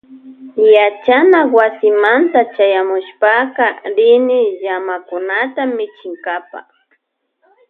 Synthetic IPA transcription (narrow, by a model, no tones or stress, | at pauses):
jat͡ʃanawasɪmant̪at͡ʃajamʊʃpakaɾɪnɪʎamakʊnat̪amːɪt͡ʃɪŋkapa̰